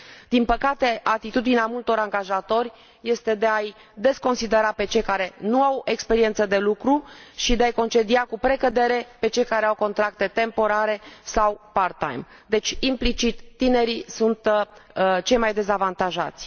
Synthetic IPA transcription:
d̪̥inpəkat̪e̞ʔat̪it̪ud̪ineamult̪o̞ɾaŋɡaʒat̪o̞rʲ | je̞st̪e̞d̪e̞aj | d̪e̞sko̞nsid̪e̞ɾape̞t͡ʃe̞jkaɾe̞nuawe̞kspe̞ɾie̞nt̪səd̪e̞lukɾuʃid̪eajko̞nt͡ʃe̞d̪iakupɾe̞kəd̪e̞ɾe̞pe̞t͡ʃe̞jkaɾe̞awko̞nt̪ɾak̚t̪e̞t̪e̞mpo̞ɾaɾe̞sawpart̪a̰jm | d̪e̞t͡ʃʲimplit͡ʃit̪ːine̞ɾisunt̪ | t͡ʃe̞jmajd̪e̞zavant̪aʒa̰t̪sʲ

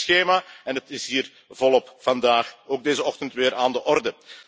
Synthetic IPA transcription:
sxeːmaːɛnətɪsɦiːr | vɔlˠɔpfɑndaːxoːɡ̚deːzəɔxtəntʋɪːɾʔaːndəʔɔrdə

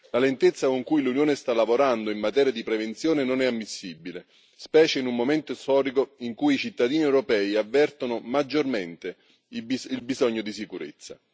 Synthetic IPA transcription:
lalent̪et̪sːakoŋkujlunjoːnest̪alːavoɾand̪oimːat̪ɛːɾjad̪ipɾevent̪sjoːnenonɛamːisːibile | spɛːt͡ʃeinumːoment̪ost̪ɔːɾikoiŋkujit͡ʃit̪ːad̪iːniewɾopɛːiavːɛrt̪onomad͡ʒːorment̪e | ilbizɔɲːod̪is̬ikuɾḛt̪sːa̰

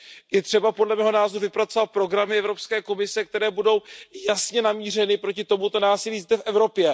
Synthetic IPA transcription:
jɛt̪r̝̥ɛbapo̞dlɛmɛːɦo̞naːzoɾuvɪpɾat̪t͡so̞vat̪̚pɾo̞ɡɾamɪɛvɾo̞pskɛːko̞mɪsɛk̚t̪ɛɾɛːbudo̞wjasɲɛnamiːr̝ɛnɪpɾo̞cɪt̪o̞mut̪o̞naːsɪliːzd̪ɛfʔɛvɾo̞pjɛ

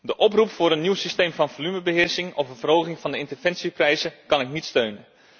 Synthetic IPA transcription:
dəʔɔprupfʊːɾənːiwsistejmvɑnvolyməbəɦɪːɹsɪŋɔfənvərɦowχɪŋvɑndəɪntərv̥ɛnsiprɛjzəkɑnɪk̚nitstøɥnə

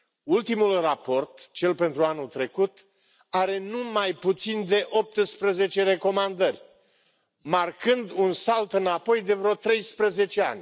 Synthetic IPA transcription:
ult̪imulrapo̞rt̪t͡ʃe̞lpe̞nt̪ɾuanut̪ɾe̞kut̪ | aɾe̞numajput̪sind̪e̞ʔo̞p̚t̪ɨspɾeze̞t͡ʃe̞ɾe̞ko̞mand̪ərʲ | markɨnd̪unsalt̪ɨnapo̞jd̪e̞vɾeot̪ɾe̞jspɾeze̞t͡ʃea̰nʲ

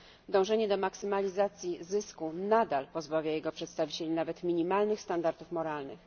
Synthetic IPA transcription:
d̪ɔ̃w̃ʐɛɲɛd̪ɔmaksɘmalʲizat̪sʲjizɘskunad̪alpɔzbavʲajɛɡɔpʂɛt̪st̪avʲit͡ɕelʲinavɛt̪mʲiɲimalnɘxst̪and̪aɾt̪ufmɔɾalnɘ̰x

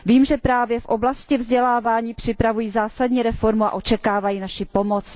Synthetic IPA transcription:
viːmʒɛpɾaːvjɛfʔo̞blascɪvzɟɛlaːvaːɲiːpr̝̥ɪpɾavujiːzaːsadɲiːɾɛfo̞ɾmua̰ʔo̞t͡ʃɛkaːvajiːnaʃɪpo̞mot͡s

